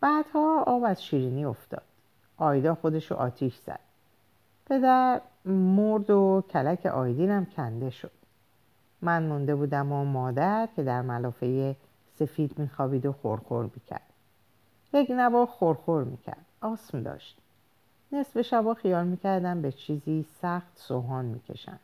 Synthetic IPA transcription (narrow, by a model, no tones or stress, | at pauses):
b̥æːd̪̥hɒːɒːbæzʃiːɾiːniːo̞ft̪ɒ̰ːd̪̥ | ʔɒːjd̪ɒːxo̞d̪e̞ʃo̰ʔɒ̰ːt̪ʰiʃz̥æ̰d̪̥̚ | pʰe̞d̪æɾmoɾd̪ocʰælækʰe̞̰ʔɒːjd̪iːnæmcʰænd̪e̞ʃo̞d̪̥ | mænmund̪e̞buːd̪æmomɒːd̪æɾcʲʰe̞d̪æɾmælɒːfe̞je | se̞fiːd̪miːxɒːbiːd̪o̞xo̰ɾxo̰ɾmiːcʰæ̰ɾd̪̥ | jeknævɒːxoɾxo̞ɾmḭːcʰæ̰ɾd̪̥ɒːsmd̪ɒ̰ːʃt̪̚ | nesbe̞ʃæbɒːxijɒːlmiːcʰæɾd̪ænbe̞t͡ʃʰiːziːsæxt̪soɦɒːnmḭːcʰe̞̰ʃæ̰nd̪̥